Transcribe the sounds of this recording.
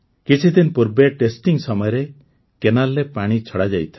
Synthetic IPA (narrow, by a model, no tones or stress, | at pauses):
kit͡ʃʰid̪inpuɾbaʈesʈiŋsɔmɔjɔɾe | kenalːepaɽ̃it͡ʃʰɔɽad͡ʒajt̪ʰa